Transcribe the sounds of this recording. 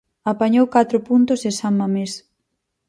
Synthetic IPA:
apaɲowkat̪ɾʊpunt̪ʊsesammames

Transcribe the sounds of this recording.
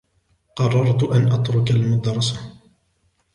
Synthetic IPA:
qɑrˤːɑɾˤt̪ʔanʔɑt̪ɾʊkalmʊd̪ɾˤɑsa

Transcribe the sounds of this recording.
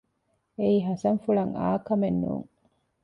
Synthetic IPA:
eiːɦɐsɐŋfuɭɐŋa̰ːkɐmenːṵːŋ

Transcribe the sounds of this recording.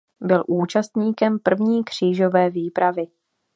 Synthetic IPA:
bɪlʔuːt͡ʃast̪ɲiːkɛmpr̩vɲiːkr̝̥iːʒo̞vɛːviːpɾavɪ

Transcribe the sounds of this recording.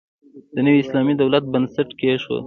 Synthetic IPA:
d̪̥ənəwiɪslɑmid̪awlat̪̚bənsaʈkeʃwə̰

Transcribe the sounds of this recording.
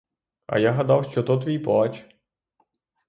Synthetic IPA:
ɐ̰jaɦɐd̪ɑwʃt͡ʃɔt̪ɔt̪ʋʲijplˠɑt͡ʃ

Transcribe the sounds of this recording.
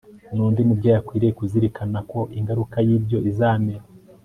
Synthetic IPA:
nuːndimubɟaːjakwiːɾekuziɾikʰanako̞ʔiŋɡaɾukajiːbjo̞ʔizaːmeɾa

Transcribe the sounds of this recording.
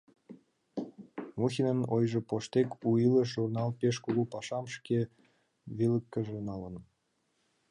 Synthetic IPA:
muxʲinənojʒĕpoʃt̪ekuiləʃʒurnɑlpeʃkulupɑʃɑmʃke | βiləkːəʒenɑlən

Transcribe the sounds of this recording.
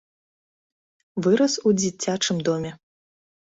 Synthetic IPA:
vɨɾɐsud͡zʲit͡sʲat͡ʂɨmd̪ɔmʲɛ

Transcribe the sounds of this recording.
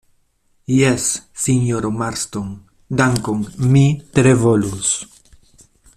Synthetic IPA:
jesːiɲoɾomaɾst̪oŋ | d̪aŋkoŋmit̪ɾevolus

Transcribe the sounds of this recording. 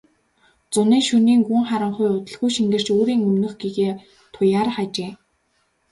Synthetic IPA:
t͡sʊniːʃuniːŋɡuŋχaɾə̆ɴχʊjʊt̪ə̆ɮɣujʃiŋɡɘ̆r̥t͡ɕoːɾiːŋɵmnɵ̆χɡiɣeː | t̪ʰʊjaːɾχat͡ɕeː

